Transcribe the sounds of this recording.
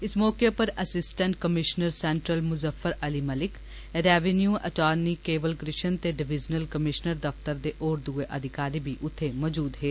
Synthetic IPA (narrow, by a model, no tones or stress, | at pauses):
ɪsmɔːkepɐɾɐsɪsʈə̃ɳʈ̚kəmɪʃnəɾsɛ̃ɳʈɾəlmʊzəfəɾɐlimɐlɪk | ɾɛːʋenjuːʔɐ̰ʈaːnikeːʋəlkɾɪʃənt̪eɖɪʋɪd͡ʒnəlkəmɪʃnəɾd̪ɐft̪əɾd̪eʔɔːɾd̪ueʔɐd̪ʱɪkaːɾibʱiʔʊt̪ʰːemɔːd͡ʒuːd̪ɦeː